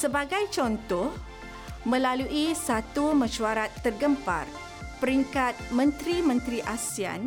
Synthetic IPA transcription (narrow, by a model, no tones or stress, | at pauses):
səbaɡajt͡ʃɔnt̪ɔh | mə̃laluʔisat̪umə̃ʃuaɾat̪ːərɡəmpa̰r | pəɾiŋkat̪̚mə̃nt̪ɾimə̃nt̪ɾiʔasia̰n